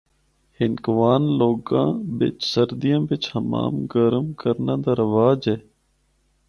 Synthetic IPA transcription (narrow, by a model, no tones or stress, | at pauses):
hɪnkʋaːnloːɡã̰ːbɪ̰t͡ʃsəɾd̪ijãːbɪt͡ʃhəma̰ːmɡəɾəmkəɾnãːd̪aːɾəʋaːd͡ʒeː